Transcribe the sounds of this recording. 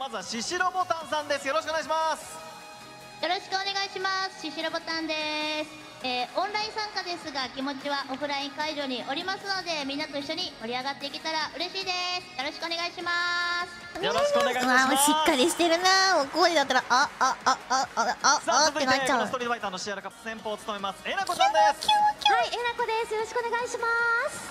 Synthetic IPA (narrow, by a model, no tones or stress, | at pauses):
mazaɕiɕiɾobo̞t̪ãɰ̃sãnd̪e̞sɨjoɾoɕ̬ikoneaɕ̬imas | jo̞ɾo̞ɕi̥kɯone̞ɡaiɕimasɨ̥ɕiɕiɾo̞bo̞t̪ãnd̪e̞sɨ̥ | eːõ̞nɾaĩsãŋkad̪e̞sɨɡakʲimo̞t͡ɕiβaʔo̞ɸɯ̟ɾaĩŋkaiʑo̞ːɲ̟iʔo̞ɾʲimasɨno̞d̪e̞mʲĩnːat̪o̞iɕːo̞ɲ̟imo̞ɾʲiaɡat̪ːe̞ikʲit̪aɾaʔɯ̟ɾe̞ɕiːd̪e̞sɨ̥jo̞ɾo̞ɕi̥kɯone̞ɡaiɕimasɨ̥joɾoɕkɯneɡaaɕikːaɾʲiɕi̥t̪e̞ɾɯ̟namokoːɲid̪at̪ːaɾaʔa | sat̪ːeɡat͡ɕast̪oɾʲiait̪aːnoɕiaɾakapːɯ̥sẽ̞mpoːt͡sɨ̥t̪omemasɨ̥enakoãd̪eskʰʲoːkʲoaienako̞d̪e̞sɨjoɾo̞ɕi̥kɯoneɡaiɕimas